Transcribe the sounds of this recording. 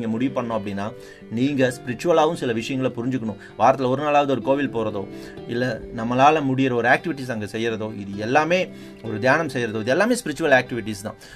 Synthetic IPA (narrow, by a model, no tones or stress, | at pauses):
ŋɡɐmʊɽɪʋpːɐɳːõɐpːɐɽɪnːaː | niːŋɡɐspɪɾɪt͡ʃːʊʋɐlaːʋɯ̃msɪlɐʋɪʂɐjɐŋɡɐɭɐpʊɾɪɲd͡ʒɯkːɐɳʊ̃ | ʋaːɾɐt̪̬ːɪlɔɾɯnaːlaːʋɐðɯɔɾɯkoːʋɪlpoːɾɐðo̰ː | ɪlːɐnɐmːɐlaːlɐmʊɽɪjɪɾɐɔɾɯaːk̚ʈɪʋɪʈːis̬ɐŋɡɐsɛjːɾɐðoːɪðɯɛlːaːmeː | ɔɾɯd̪jaːnɐmsɛjːɾɐðoːɪðɛlːaːmeːspɪɾɪt͡ʃːʊʋɐlaːk̚ʈɪʋɪʈ̬ːist̪ã̰ː